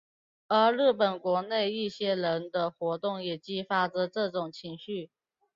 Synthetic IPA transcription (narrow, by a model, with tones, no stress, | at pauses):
ə˞˧˥ɻ̩˥˩pə˨˩nkwɔ˧˥ne˥˧ɪi˥˩ɕjɛ˥ɻə˧˦˥nd̪ə˧xwɔ˧˥t̪ʊ˥˩ŋjɛ˨˩t͡ɕi˥fa˥ʈ͡ʂə˨ʈ͡ʂɤ˥˧ʈ͡ʂʊ˨˩ŋt͡ɕʰi˧˥ŋɕy˥˩